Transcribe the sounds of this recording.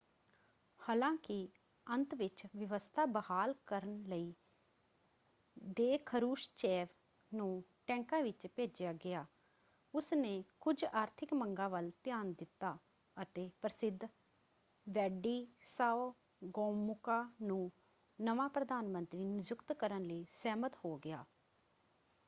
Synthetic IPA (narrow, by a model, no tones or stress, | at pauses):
haːlãːkɪ | ənt̪ʋɪt͡ʃʋəʋəst̪ʰaːbəhaːlkəɾənləiː | d̪eːkʰəɾuːʃt͡ʃɛːʋ | nũːʈɛ̃ːŋkãːʋɪt͡ʃpeːd͡ʒɪjaːɡɪaː | ʊsneːkʊd͡ʒaːɾt̪ʰɪkməŋɡãːʋəlt̪ɪjaːnd̪ɪt̪ːaː | ət̪eːpɾəsɪd̪ʱ | ʋɛːɖiːsaːo | ɡɔːmʊkaːnũː | nəʋãːpɾəd̪aːnmə̃nt̪ɾiːnɪd͡ʒʊkt̪kəɾənləiːsɛːmət̪hoːɡɪja̰ː